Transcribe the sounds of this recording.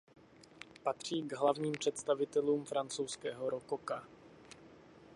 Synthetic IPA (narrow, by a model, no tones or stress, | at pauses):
pat̪r̝̥iːɡɦlavɲiːmpr̝̥ɛt̪st̪avɪt̪ɛluːmfɾant͡sowskɛːɦo̞ɾokoka